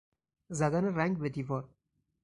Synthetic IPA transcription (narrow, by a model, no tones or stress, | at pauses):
zæd̪æneɾæŋɡbed̪iːvɒːɾ